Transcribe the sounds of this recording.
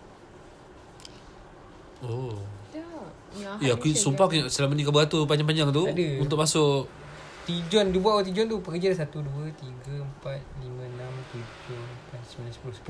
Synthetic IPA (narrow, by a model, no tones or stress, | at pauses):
o | iakusumpakuaʔsəlamənik̬abɡat̪uup̬aɲd͡ʒaŋpaɲd͡ʒaŋt̪uadəunt̪̬ʊk̚masʊʔ | t̪id͡ʒɔndibuwat̪wat̪̬id͡ʒɔnt̪upəkəd͡ʒadasat̪uduət̪iɡəəmpat̪̚limə̃nãmt̪ud͡ʒʊhəmpansəbilansə̥pulʊspu